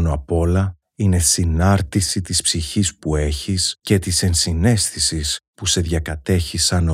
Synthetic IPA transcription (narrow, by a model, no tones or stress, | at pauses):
noɐpo̞lɐ | ine̞sinɐɾt̪isit̪ispsiçispue̞çisce̞t̪ise̞nsine̞st̪isispuse̞ðʝɐkɐt̪e̞çisɐno